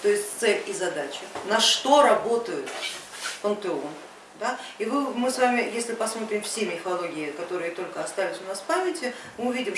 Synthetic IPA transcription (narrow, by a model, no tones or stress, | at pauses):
t̪o̞ɪsʲtʲt̪sɛlʲizɐd̪at͡ɕɪnɐʂt̪o̞ɾɐbo̞t̪əjʊt̪pənt̪ɨo | d̪aivɨmɨsvamʲɪjesʲlʲɪpɐsmo̞t̪ɾʲɪmfsʲemʲɪfɐlˠo̞ɡʲɪɪkɐt̪o̞ɾɨjət̪o̞lʲkəɐst̪alʲɪsʲʊnaspamʲɪtʲɪmɨʊvʲidʲɪm